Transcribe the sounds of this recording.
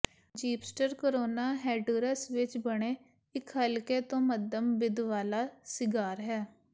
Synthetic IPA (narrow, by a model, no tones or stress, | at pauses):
d͡ʒiːpsʈəɾkoɾoːnaːɦɛːɖuːɾəsʋɪt͡ʃbəɽ̃eː | ɪkɦəlkeːt̪õːməd̪əmbɪd̪ʋaːlaːsɪɡaːɾɦɛː